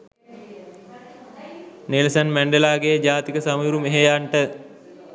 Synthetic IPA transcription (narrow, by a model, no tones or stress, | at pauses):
nelsənmæɳɖelaːɡejd͡ʒaːt̪ikəsamuɾumeɦejaɳʈə